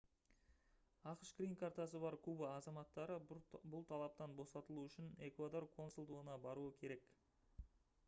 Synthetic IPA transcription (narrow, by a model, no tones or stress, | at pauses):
ɑqʃɡ̥rʲijnkʰaɾt̪ɑsəbɑɾkʰubaːzɑmɑt̪ːɑɾəbʊlˠt̪ʰɑlˠɑp̚t̪ɑnbo̞sɑt̪əlˠuʏʃɪne̞kvad̪o̞rkʰo̞nsulˠd̪uənɑbɑɾuəkʲʰe̞ɾe̞k